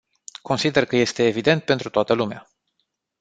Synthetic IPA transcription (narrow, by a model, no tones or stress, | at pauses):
ko̞nsid̪e̞rkəje̞st̪e̞ːvid̪e̞nt̪̚pe̞nt̪ɾut̪oat̪əlumea